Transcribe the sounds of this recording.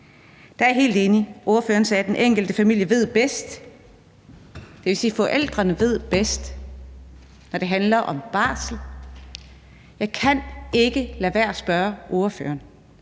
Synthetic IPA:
d̥ɑ̈æɐɦe̝̰ːld̥e̝ːniʔo̝ːɐføːɐnsɛːd̥enʔeŋ̰ɡ̥l̩d̥əfæmil̰jəʋe̝ð̞̰ˠb̥esd̥ | d̥e̝ʋe̝siːfɒʔel̰d̥ʁɐnəʋe̝ð̞̰ˠb̥esd̥ | nɒɾ̥e̝ɦænlɐʔɒ̽mb̥ɑ̰̈ːsl̩ | jɑ̈ɪkʰæne̝ɡ̥əlæʋæɐ̰sb̥ɶɐʔo̝ɐfø̰ːɐn

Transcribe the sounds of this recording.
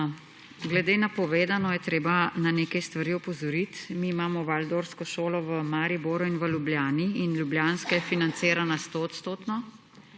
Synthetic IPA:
ɡlɛd̪eːnapɔʋeːd̪anɔjɛt̪ɾeːbananeːkajst̪ʋaɾiɔpɔzɔɾit̪miːmaːmɔʋald̪oɾskɔʃoːlɔʋəmaːɾiboːɾuinʋəljubljaːniinljubljaːnskɛɛfinant̪seːɾanast̪oɔt̪st̪oːt̪nɔ

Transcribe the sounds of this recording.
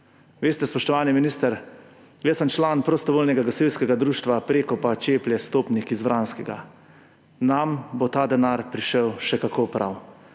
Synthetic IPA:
ʋeːst̪ɛspɔʃt̪ɔʋaːniminiːst̪əɾ | jɛsəmt͡ʃlaːnpɾɔst̪ɔʋoːlnɛɡaɡɔsewskɛɡad̪ɾuːʃt̪ʋapɾeːkɔpat͡ʃeːplʲjɛst̪oːpnikizʋɾʔaːnskɛɡa̰ | nambot̪aːd̪ɛnaːɾpɾiʃəwʃɛkakoːpɾʔa̰w

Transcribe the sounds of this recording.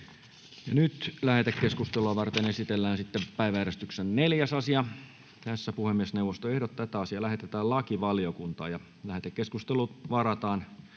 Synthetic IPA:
jɑnyt̪læhet̪ekkːeskust̪eluɑʋɑrt̪enesit̪elːæːnsit̪ːepæiʋæjæɾest̪yksenneljæsɑsiɑ | t̪æsːæpuhemːiesneuwʋːˑost̪oehɾot̪t̪ːæt̪æɑsiɑlæhet̪et̪æːllɑkiʋɑliokunt̪ɑ̰ːjɑ | læhet̪ekkeskust̪eluʋɑrɑt̪ɑːn

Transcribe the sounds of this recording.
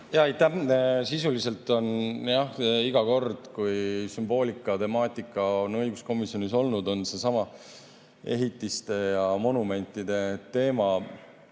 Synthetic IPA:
jɑɑjt̪ːæhsisulise̞lt̪ːˑo̞njɑhiɡ̥ɑko̞rd̪̥kujsymb̥o̞ːlʲikːˑɑt̪e̞mɑːt̪ˑikːˑɑonɤjɡ̥usko̞misjo̞niso̞lnud̪o̞nse̞sɑmɑ | e̞ɦit̪ːˑist̪e̞jɑmo̞nume̞nʲt̪ːˑid̪̥e̞t̪e̞ːmɑ

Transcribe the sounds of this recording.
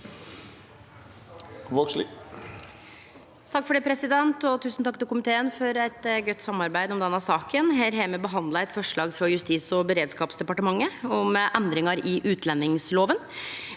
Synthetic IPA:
ʋoːʂl | t̪ʰɑkːfɔɖeːpʰɾɛsɪd̪ɛnt̪ɔt̪ʰʉːsn̩t̪ʰɑkːt̪ɪlkʊmɪt̪ʰeːənfɔɾæɪt̪ɡœt̪ːsɑmːɑɾbæɪd̪ɔmd̪ɛnːɑsɑːkənɦeːɾɦeːməbəɦɑnd̪lɑɛt̪fɔʂɭɑːɡfɾɑjʉst̪iːsɔbəɾeːd̪skɑːpsd̪ɛpɑʈəmɑŋːəɔmʔænd̪ɾɪŋɑɾɪʔʉːt̪ʰlɛnːɪŋsloːʋən

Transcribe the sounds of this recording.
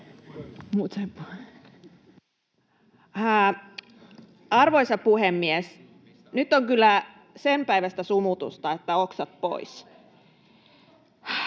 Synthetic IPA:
muːt̪sempu | ɑrʋoisɑpuhemːies | nyt̪ːoŋkylːæ | sempæiʋæst̪æsumut̪ṵst̪ɑet̪ːæoksɑt̪̚po̰is

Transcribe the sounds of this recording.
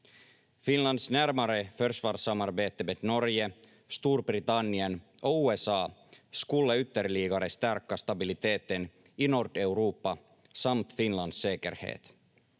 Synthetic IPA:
fɪnland̪snæɾmaɾəfœɾʂvɑːɾʂamːaɾbeːt̪əmeːd̪nɔɾjə | st̪uːɾbɾɪt̪anːɪənʔɔuːɛsɑːskɵlːəʏt̪ːəɾliːɡaɾəst̪æɾkast̪abɪlɪt̪ʰeːt̪ən | ɪnɔɾɖɛʉɾuːpːa | samt̪fɪnland̪seːkəɾhḛːt̪

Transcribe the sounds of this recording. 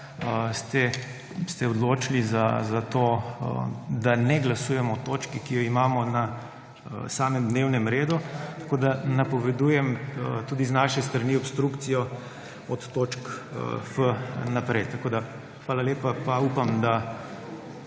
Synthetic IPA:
əst̪ɛ | st̪ɛɔd̪loːt͡ʃilizazat̪oː | d̪anɛɡlasuːjɛmɔt̪oːt͡ʃkikijɔimaːmɔna | saːmɛmd̪neːwnɛmɾeːd̪ut̪ɐ̥koːd̪anapɔʋɛd̪ujɛmət̪uːd̪iznaːʃɛst̪ɾaniɔpst̪ɾukt̪sijɔ | ɔt̪ːoːt͡ʃkfənapɾɛjt̪ɐkoːd̪a | xʋaːlaleːpapauːpamd̪a

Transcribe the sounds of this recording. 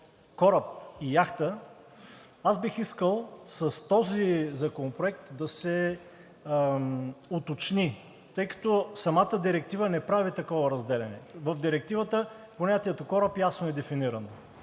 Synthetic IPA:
kɔɾəp̚ijaxt̪ə | azbixiskəlˠsɐst̪ɔzizɐkonopɾʊɛk̚t̪d̪ɐsɛ | ot̪ot͡ʃni | t̪ɤjkɐ̥t̪ɔsɐmat̪əd̪iɾɛk̚t̪ivənɛpɾavit̪ɐkɔvəɾɐzd̪ɛlɛnɛvəfd̪iɾɛk̚t̪ivət̪əponʲat̪iɛt̪okɔɾəpjasnoɛd̪ɛfiniɾɐno

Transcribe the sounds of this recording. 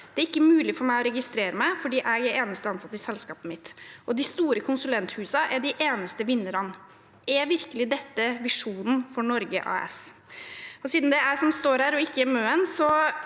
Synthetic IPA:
d̪ɛæɾɪkːəmʉːlɪfɔɾmæɪɔɾɛɡɪst̪ɾeːɾəmæɪfɔɖiːʔæɡæɾeːnəst̪əɑnsɑt̪ːɪsɛlskɑːpəmɪt̪ʔɔd̪ɪst̪uːɾəkʰʊnsʉlɛnt̪hʉːsɑʔæɖɪʔeːnəst̪əʋɪnːəɾɑn | æʋɪɾkəlɪd̪ɛt̪ːəʋɪʂuːnn̩fɔɳɔɾɡəʔɑ̰ːɛ̰s | ɔsiːd̪n̩d̪ɛæʂɔmst̪oːɾhæːɾɔɪkːəæmøːənsɔ

